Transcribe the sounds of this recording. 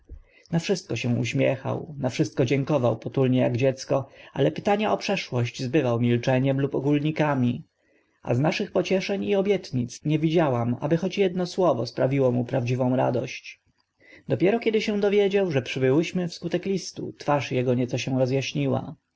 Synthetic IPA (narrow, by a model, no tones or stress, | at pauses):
nafʂɘst̪̚kɔɕɛ̃ṵɕmʲjɛ̰xa̰wnafʂɘst̪̚kɔd͡ʑɛŋkɔvawpɔt̪ulɲɛja̰ɡd͡ʑɛt̪skɔa̰lɛpɘ̥t̪aɲaʔɔpʂɛʂwɔɕd͡ʑzbɘvawmʲilt͡ʂɛɲɛmlupɔɡulɲikamʲi | a̰znaʂɘxpɔt͡ɕɛʂɛɲiɔbʲjɛt̪ɲit̪sɲɛvʲid͡ʑawama̰bɘxɔt͡ɕjɛd̪nɔswɔvɔspɾavʲiwɔmupɾavd͡ʑivɔ̃w̃ɾa̰d̪ɔɕt͡ɕ | d̪̥ɔpʲjɛɾɔkʲɛd̪ɘɕɛw̃d̪ɔvʲjed͡ʑawʐɛpʂɘbɘwɘɕmɘfskut̪ɛklʲist̪ṵt̪faʂjɛɡɔɲɛt̪sɔɕɛ̃ɾɔzjaɕɲiwa̰